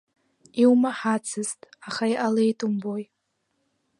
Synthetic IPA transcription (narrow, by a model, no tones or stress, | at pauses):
iwmaħat͡sʰɨztʼaχaijʔalejtʼumboj